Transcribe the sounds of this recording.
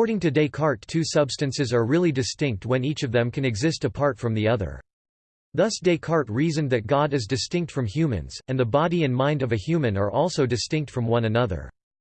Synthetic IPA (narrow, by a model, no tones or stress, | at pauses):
ɔɹɾɪ̃ŋtɨdeɪkʰɑɹtʰːʉsʌb̥stɨ̃nsɨzə˞ɹɪlˠidɨstɪ̃ŋk̚t̚wɨ̃nit͡ʃʌvðɨ̃mkʰɨ̃nɨɡzɪstɨpʰɑɹtfɹʌ̃mðiʌðə̰˞ | ðʌsd̥eɪkʰɑɹt̚ɹizɨ̃nðɨt̚ɡ̥ɑɾɨzdɨstɪ̃ŋk̚tfɹʌ̃mhjʉmɨ̰̃nz̥ɨ̃nðəbɑɾiɨ̃nmãɪ̃ndʌvɨhjʉmɨ̃nə˞ʔɔlˠsoʊdɨstɪ̃ŋk̚tfɹʌ̃mwʌ̃nɨnʌðə̰˞